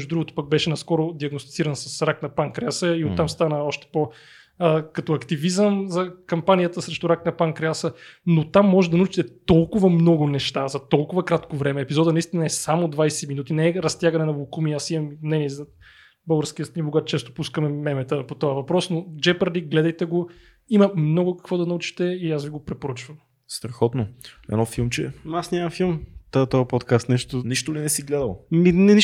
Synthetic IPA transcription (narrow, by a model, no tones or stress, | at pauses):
ʒd̪ud̪ɾuɡʊt̪ʊ̥pɐk̚bɛʃɛnɐskɔɾʊd̪iɐɡnost̪i̥t̪siɾənsɐsɾaknɐpaŋkɾɛasəiot̪ːamst̪anəɔʃt̪ɛ̥po | əkɐt̪ɔɐkt̪ivizəmzɐkɐmpanijət̪əsɾɛʃt̪uɾaknɐpaŋkɾɛasənot̪amːɔʒɛd̪ɐnɐut͡ʃi̥t̪ɛt̪ɔlˠkʊvəmnɔɡʊnɛʃt̪azɐt̪ɔlˠkʊvɐkɾat̪kovɾɛmɛːpizɔd̪ənɐist̪inɐɛsamod̪vajsɛminut̪inɛɛɾɐst̪ʲjaɡɐnɛnɐvolˠkumiasimɐmnɛnɛzɐ | bɤlˠɡəɾsk̟iəst̪nʲiboɡat̪t͡ʃɛst̪opuskəmɛmɛmɛt̪əpot̪ɔɐvɐpɾɔsnod͡ʒɛpəɾd̪ikɡlɛd̪ɐjt̪ɛɡo | imɐmnɔɡʊkɐ̥kvɔd̪ɐnɐut͡ʃi̥t̪ɛiasviɡopɾɛpoɾət͡ʃvɐm | st̪ɾɐxɔt̪noɛ̰nɔfilˠmt͡ʃɛ̰asnʲamɐfilˠmt̪t̪ɔjəpɔt̪kast̪nɛʃt̪oniʃt̪ʊlinɛsiɡlɛd̪ɐlˠo̰minɛni